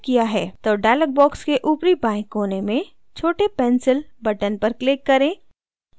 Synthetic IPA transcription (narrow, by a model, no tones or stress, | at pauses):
kijaɦɛːt̪oːɖaːləɡ̚bɔːkskeʔuːpɾibãːɪ̃kːoːnemẽ | t͡ʃʰoːʈepɛ̃nsɪlbɐʈənpɐɾklɪkːɐɾẽː